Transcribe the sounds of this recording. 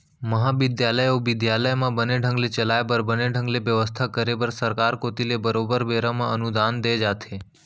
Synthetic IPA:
məɦaʋɪd̪jaləjoʋɪd̪jaləjmãbəneɖʱə̃ŋɡlet͡ʃəlajbəɾbəneɖʱə̃ŋɡleʋjəʋəst̪ʰakəɾebəɾsəɾkaɾkot̪ilebəɾobəɾbeɾamãənud̪and̪ed͡ʒat̪ʰe

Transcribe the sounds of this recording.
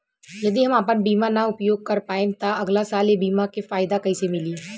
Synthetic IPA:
jɐd̪iɦɐmaːpənbiːmanaʊpjoːɡ̚kɐɾpaːẽt̪aɐɡlasaːlebiːmakefaːɪd̪akɐisemɪliː

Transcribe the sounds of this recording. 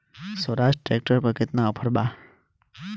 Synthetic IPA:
səɾasʈʈɾek̚ʈəɾpəket̪naɔpʰəɾba

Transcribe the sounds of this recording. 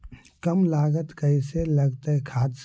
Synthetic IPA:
kɐmlaːɡət̪kəɪselɐɡt̪əɦɛkʰaːd̪s

